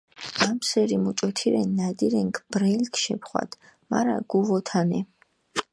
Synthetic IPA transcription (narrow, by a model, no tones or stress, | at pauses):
mamsɛɾimut͡ʃʼɔt̪ʰiɾɛnːad̪iɾɛŋkʰb̥ɾɛlkʰʃɛpʰχwa̰d̪̥ | ma̰ɾa̰ɡuvɔt̪ʰanɛ